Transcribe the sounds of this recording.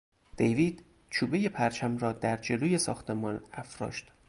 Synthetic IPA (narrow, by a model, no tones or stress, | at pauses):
d̪̥ejviːd̪̥ | t͡ʃʰuːbeje̞pʰæɾt͡ʃʰæmɾɒːd̪æɾd͡ʒe̞loːje̞sɒ̰ːxt̪ʰe̞mɒnæfɾɒ̰ːʃt̪